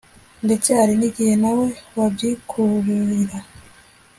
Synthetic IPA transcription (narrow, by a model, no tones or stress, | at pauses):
nde̞t͡seaɾiniɡihenawe̞wabɟikʰuβuɾiɾa